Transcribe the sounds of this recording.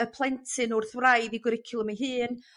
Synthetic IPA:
əpʰlˠɛntʰɨnʊrθwrajdiɡwɪɾɪkʰɪlˠəmiɦɨːn

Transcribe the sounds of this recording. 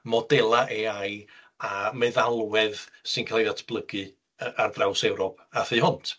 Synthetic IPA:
mɔdɛlˠaʔeaj | amɛðalˠwɛðsɪnkʰalˠjðatʰb̥lˠəɡɨ | ardrawsɛwɾɔpʰaθɨhʊntʰ

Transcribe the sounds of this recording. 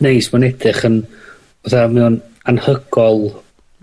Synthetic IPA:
nejsmanɛdɪχən | vaθamɛwn | anhəɡɔlˠ

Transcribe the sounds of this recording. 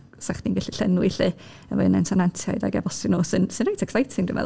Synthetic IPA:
saχd̥iŋɡɛɬiɬənwɪɬɨ | əvɔðnɛnsʰɔnantʰja̰jda̰ɡɛ̰vɔsɪnuːsɨnsɨnrejtʰɛksajtʰɪŋdṵ̃mɛ̰

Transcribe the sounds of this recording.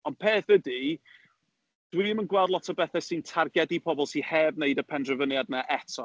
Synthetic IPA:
ɔnpʰeːθədi | d̥wimənɡwɛlˠdˡlˠɔtʰəbɛθɛsɨntʰarɡɛdipʰɔbɔlˠsihɛvneɨdəpʰɛndrəvənjadnaʔɛtʰɔ

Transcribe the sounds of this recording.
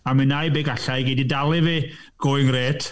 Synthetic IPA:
amɨnajbeːɡaɬajɡedidalˠɪviɡ̥ʊɨŋreːtʰ

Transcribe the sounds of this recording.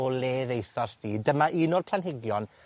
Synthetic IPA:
ɔleːðejθɔsdiːdəmaʔinoːrpʰlˠanɦɪɡjɔn

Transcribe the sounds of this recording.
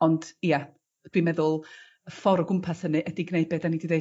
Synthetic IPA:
ɔnd̥ija | d̥wimɛðʊlˠ | əfɔɾɔɡʊmpʰashənɨʔɛdɪɡneɨbɛdanidiðe

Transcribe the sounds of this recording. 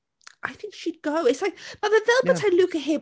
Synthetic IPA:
ʔaɪθɪ̃ŋkʃid̚ɡoʊɪsaɪmʌðəðɛlˠbətʰalʉˑkəɦɪ

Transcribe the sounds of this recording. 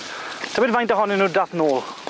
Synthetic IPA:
tʰəbɪdvajntɔɦɔninuːdaθnoːlˠ

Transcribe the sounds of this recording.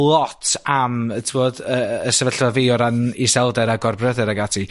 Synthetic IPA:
lˠɔtʰamətʰvoːdəəsəvəɬvɔveɔɾanisɛlˠdɛɾaɡɔrbrəðɛɾaɡatʰi

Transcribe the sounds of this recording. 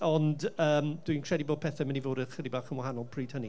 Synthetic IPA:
ɔndəːmd̥winkʰr̥ɛdiboːd̚pʰɛθɛmənivoːɾəχɪdibaːχənwaɦanɔlˠpʰriːd̥həni

